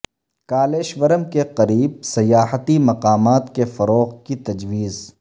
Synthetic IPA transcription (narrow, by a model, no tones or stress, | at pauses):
kaːleːʃʋəɾəmkeqɐɾiːb̚sɐjaːɦət̪imɐqaːmaːt̪kefɐɾoːqkit̪ɐd͡ʒʋiːz